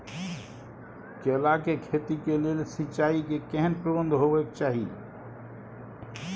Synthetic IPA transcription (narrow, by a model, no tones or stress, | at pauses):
kelakekʰet̪ikelelsɪt͡ʃaikekɛɦənpɾəbənd̪ʱɦoʋɛkt͡ʃaːɦḭ